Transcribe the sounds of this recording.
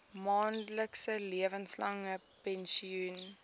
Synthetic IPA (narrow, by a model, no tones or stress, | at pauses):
mɑːnləksəliəvənslɐŋə | pɛnsiun